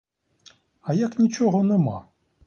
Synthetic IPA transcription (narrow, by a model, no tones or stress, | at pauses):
ɐjaknʲit͡ʃɔɣɔnɛma̰